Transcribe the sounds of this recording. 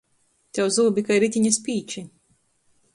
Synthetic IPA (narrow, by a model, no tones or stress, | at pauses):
t̪ʲɛwzuːbʲikajɾit̪ʲiɲaspiːt͡ʃi